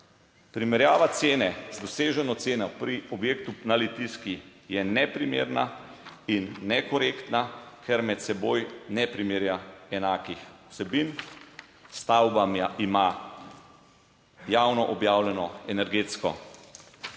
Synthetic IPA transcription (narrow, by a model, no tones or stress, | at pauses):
pɾimɛɾjaːʋat̪seːnɛzd̪ɔseːʒɛnɔt̪seːnɔpɾiɔbjeːkt̪unalit̪iskijɛnɛpɾimḛːɾnainːɛkɔɾeːkt̪nakʰɛɾmɛt̪sɛbojnɛpɾimeːɾjaɛnaːkixw̥sɛbin | st̪awbamaima | jawnɔʔɔbjaːwlɛnɔɛnɛɾɡeːt̪skɔ̰